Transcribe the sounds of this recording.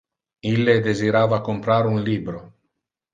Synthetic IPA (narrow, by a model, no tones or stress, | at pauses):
ilːed̪eziɾaːvakompɾaːɾunliːbɾo